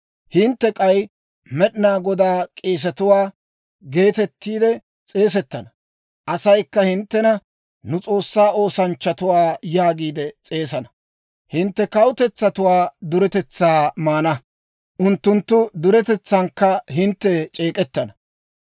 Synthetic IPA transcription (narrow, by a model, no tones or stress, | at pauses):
hɪnt̪ːɛkʼɐj | mɛɗɪnaːɡɔd̪aːkʼeːs̬ɛt̪ʊwaː | ɡe̞ːt̪ɛt̪ːiːd̪ɛ | t͡sʼe̞ːs̬ɛt̪ːɐnɐ | ʔɐsɐjkːɐhɪnt̪ːɛnɐ | nʊt͡sʼo̞ːsːaːʔo̞ːsɐnt͡ʃːɐt̪ʊwaːjaːɡiːd̪ɛt͡sʼe̞ːsɐnɐ | hɪnt̪ːɛkɐwʊt̪ɛt͡sːɐt̪ʊwaːd̪ʊɾɛt̪ɛt͡sːaːmaːnɐ | ʔʊnt̪ːʊnt̪ːʊd̪ʊɾɛt̪ɛt͡sːaŋkːɐɦɪnt̪ːɛt͡ʃʼe̞ːkʼɛt̪ːɐnɐ